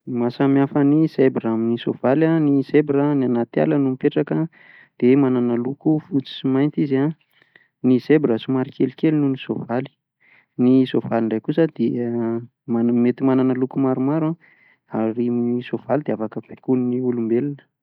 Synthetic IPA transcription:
masamjafənisebɾaminisov̥alanisebɾənianat̪ia̰lənumipeʈ͡ʂakə | d̪̥emananəlukufut͡si̥simajnt̪iza | nisebrəsumaɾikʰelikelinunisovali̥ | nisovaliɳɖ͡ʐajkusəd̪̥e | mamet̪imananəlukumaɾumaɾa | aɾimnisov̥alid̪eafakəvekunniulumbelinə̥

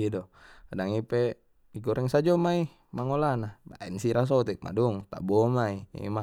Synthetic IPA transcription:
idɔdaŋipe | iɡɔɾɛŋsad͡ʒɔmai | maŋolanaba̰insiɾas̬ɔt̪ɛk̚ma̰dɔŋt̪a̰bɔmaiḭma

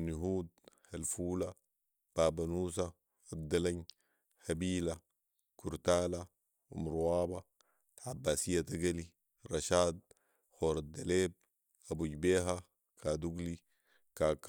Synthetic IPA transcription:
niɦuːd̪̚halfuːla | b̥aːbanuːs̬a | ad̪alaɲ | habiːla | kuɾt̪aːla | ṵmɾuwaːba | ʕabːaːsijːat̪aɡali | ɾɑʃaːd̪̚ | xoːɾad̪aleːb̚ | abuɟbeːɦa | kʰad̪uɡli | kak

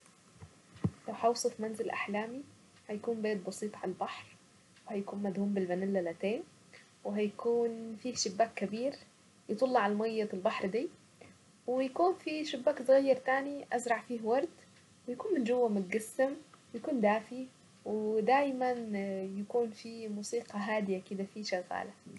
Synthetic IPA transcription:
lawħaɑwsˤɨfmanzɪlʔa̰ħlaːmi | hajakuːnbeːt̪̚bɑsiːt̪ˤʕalalbɑħɾ | whajakuːnmad̪huːmbɪlbanɪlːalat̪eːn | wɪɦajakuːnfiːhʃɪbːaːkːabiːɾ | jɨt̪ˤɑlːɑʕalmajːaɪlbɑħɾˤd̪iː | wɪjakuːnfiʃʊbːaːksˤɣajːɑɾˤt̪aːniʔazɾˤɑʕfiːhwɑɾˤd̪ | wɪjakuːnmɪnd͡ʒʊwːamʊt̪̚ɡasːɪmwɪjakuːnd̪aːfi | wɪd̪aːjmanjakuːnfimuːsiːqɑɦaːd̪ɪjakɪd̪afiʃaɣa̰ːla

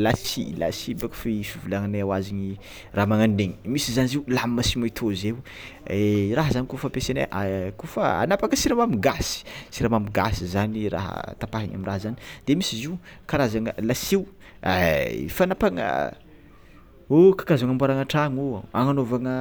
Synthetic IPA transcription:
lasila̰sibakḁfifivulaŋanaawaziɲi | raɦmaŋanɖ͡ʐeɲimisizaniziulammasimat̪ʰozew | eraɦəzanikuffapesena̰ʔakufə̰a̰napakəsiɾamamiɡasi̥t͡siɾamamiɡasizanira̰ɦə̰t̪apaɦiɲa̰minraɦzani̥d̪̥emisiziwkaɾazaŋəlasiw | afanapaŋə̰ | okḁkazaŋambaɾaŋaʈ͡ʂaŋoaŋanovaŋə

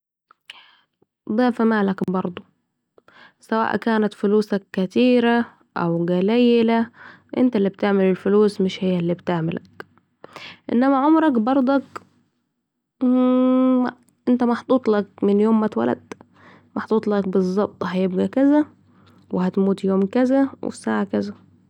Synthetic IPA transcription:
d̪ˤɑːfamaːlakbɑɾˤd̪ˤu | sawa̰ːʔkaːnat̪fʊluːsakːat̪iːɾa | ʔawɡalajːɪla | ʔɪ̰nt̪alːiːb̚t̪aʕmɪlɪlfʊluːsmɪʃhɪjːalːiːbt̪ɪʕmɪla̰k | ʔɪ̰nːæmaʕomɾɑkbɑɾˤd̪ˤɑk | ʔɪnt̪amɑħt̪ˤuːt̪ˤlak̚mɪnjoːmːat̪wa̰la̰d̪ | mɑħt̪ˤuːt̪ˤlɑk̚bɨzˤːɑb̚t̪ˤhæjɪb̚ɡækæza | wɪhæt̪muːt̪joːmkæzawʔɪ̰saːʕakaza

